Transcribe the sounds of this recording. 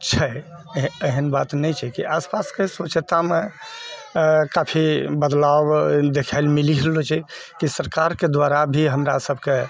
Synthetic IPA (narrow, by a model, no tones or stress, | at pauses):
t͡ʃʰɛ | əɦənbat̪nɛjt͡ʃʰɛkiʔaspaskesʋət͡ʃt̪ame | kapʰibəd̪lawd̪ekʰəɪlmiliɦlot͡ʃʰɛkisəɾkaɾked̪ʋaɾabʱiɦəmɾasəbʱke